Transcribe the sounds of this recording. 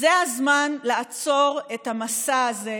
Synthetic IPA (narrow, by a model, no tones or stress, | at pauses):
zeazmanlaːt͡so̞ʁethamasaːze